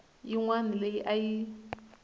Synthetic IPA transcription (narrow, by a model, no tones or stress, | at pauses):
iŋwanileʔaji